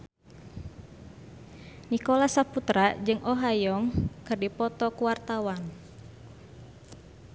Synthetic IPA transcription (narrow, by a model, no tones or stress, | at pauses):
nikolasaput̪ɾad͡ʒɨŋʔɔɦajɔŋkɨrdipɔt̪ɔkuwart̪awan